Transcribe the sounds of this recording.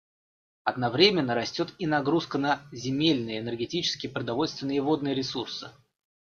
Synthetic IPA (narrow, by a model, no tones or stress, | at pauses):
ɐd̪nɐvɾʲemʲɪnːəɾɐsʲtʲo̞t̪inɐɡɾuskənəzʲɪmʲelʲnɨjəɪnʲərɡʲɪtʲit͡ɕɪ̥skʲɪjəpɾəd̪ɐvo̞lʲst̪vʲɪnːɨjəvo̞d̪̚nɨjəɾʲɪsursɨ̰